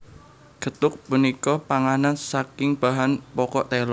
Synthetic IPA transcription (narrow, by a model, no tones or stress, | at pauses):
ɡ̥ə̤t̪ʊk̚punikɔpaŋanansakɪŋb̥a̤ɦanpɔkɔʔt̪ɛlɔ